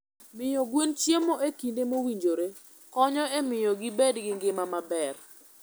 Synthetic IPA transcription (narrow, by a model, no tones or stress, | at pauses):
mɪjɔɡwent͡ʃjemoʔekindemowiɲd͡ʒoɾe | kɔɲɔemɪjɔɡɪbedɡɪŋɡɪmamabɛr